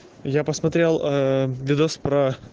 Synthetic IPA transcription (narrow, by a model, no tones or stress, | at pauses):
japɐsmɐt̪ʲɾʲelˠʋʲɪd̪ospɾɐ